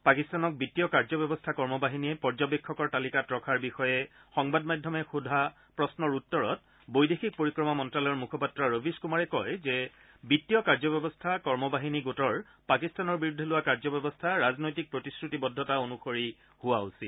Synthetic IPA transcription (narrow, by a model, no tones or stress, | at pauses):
pakistanɔk̚bitːijɔkaɹzɔbɔbɔstʰakɔɹmɔbaɦiniɛpɔɹzɔbekʰːɔkɔɹtalikatɹɔkʰaɹbixɔjɛxɔŋbadmajdʱːɔmɛxudʱa | pɹɔsnɔɹutːɔɹɔt̚ | bojdexik̚poɹikɹɔmamɔntɹalɔɔɹmukʰɔpatɹaɹobʱiskumaɹɛkɔjzɛ | bitːijɔkaɹzɔbɔbɔstʰakɔɹmɔbaɦiniɡotɔɹ | pakistanɔɹbiɹudʱːɔlʊwakaɹzɔbɛbɔstʰaɹaznojtik̚pɹotiskɹutibɔdʱːɔtaonuxoɹi | hʊwausi